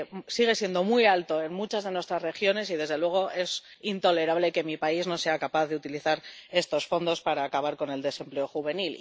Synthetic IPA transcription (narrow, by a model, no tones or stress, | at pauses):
siɣ̞e̞sje̞nd̪omwialt̪o̞e̞nmut͡ʃazðe̞nwet̪ɾazre̞xjo̞ne̞s̬ið̞e̞zð̞e̞lwe̞ɣ̞o̞ʔe̞sint̪o̞le̞ɾaβle̞ke̞mipaizno̞se̞akapaθðe̞ut̪iliθaɾe̞st̪o̞sfo̞nd̪o̞spaɾaːkaβ̞aɾko̞ne̞ld̪e̞se̞mple̞o̞xuβe̞nil